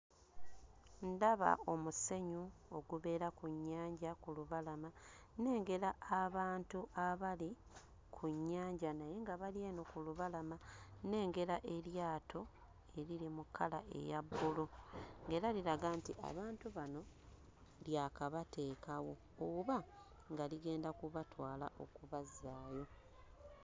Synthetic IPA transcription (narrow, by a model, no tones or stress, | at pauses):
ndaβa̰o̞muse̞ɲuo̞ɡuβe̞ːɾakuɲːaːɲɟakuluβalama | ne̞ːŋɡe̞ɾaːβaːntuʔaβali | kʰuɲːaːɲɟanaje̞ŋɡaβalie̞ːno̞kuluβalamane̞ːŋɡe̞ɾaʔe̞ɾjaːtʰo̞ | e̞ɾilimukʰːala̰ʔe̞̰jabːuloŋɡe̞ɾaliɾaɡantḭʔa̰βaːntuβano̞ | ljaːkaβatʰe̞ːkawo̞ | oβa | ŋɡaliɡe̞ːndakuβatwaːla̰ʔo̞̰kuβazaːjo̞